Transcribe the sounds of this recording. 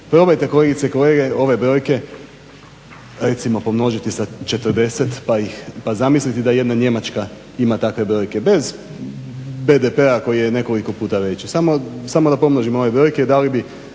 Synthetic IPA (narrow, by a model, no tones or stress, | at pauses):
pɾo̞bajt̪e̞ko̞le̞ɡit̪seiko̞leɡe̞o̞ʋe̞bɾo̞ːjke̞ | ɾe̞t̪simo̞po̞mno̞ʒit̪isat͡ʃet̪əɾd̪e̞set̪pajixpazamislit̪id̪aje̞d̪naɲe̞mat͡ʃka | imat̪akʋe̞bɾo̞ːjke̞be̞z | be̞d̪epe̞ako̞jijene̞ko̞liko̞puːt̪aʋe̞t͡ɕsamosamo̞d̪apo̞mnoʒimoo̞ʋe̞bɾo̞jke̞id̪alibi